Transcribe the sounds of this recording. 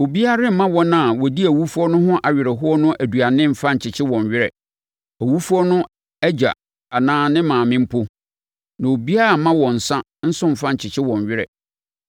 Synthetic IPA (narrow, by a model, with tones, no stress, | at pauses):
o˨bi˦a˦ɾɪ˦m̩˨mã˦wɔ˦nã˨wɔ˨di˦æ˨wu˦fu˦ɔ˦nʊ̃˦ɦʊ̃˦ʔa˨ɥɪ˨ɾɛ˨ɦʊ˦ɔ˦nʊ̃˦ʔæ˨du˨a˨nɪ̃˦m̩˨fã˦ɲ̩˨t͡ɕʰɪ˨t͡ɕʰɪ˦wɔ̃˨ɲ˨ɥɪ˦ɾɛ̰˨ | æ˨wu˦fu˦ɔ˦nʊ̃˦ | æ˦d͡ʑa̰˨ | a˨nãː˨˦nɪ̃˦mãː˨mɪ̃˦m̩˦pʰo˦ | nã˨o˨bi˦a˦ɾa˨˦mã˦wɔ̃˨n̩˨sã˦ | n̩˦sʊ̃˦m̩˨fã˦ɲ̩˨t͡ɕʰɪ˨t͡ɕʰɪ˦wɔ̃˨ɲɥɪ˦ɾɛ̰˨